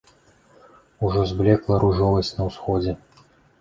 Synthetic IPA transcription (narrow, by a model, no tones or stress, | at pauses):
uʐɔzblʲɛklˠɐɾʔuʐɔvɐsʲt͡sʲnɐwsxɔd͡zʲɛ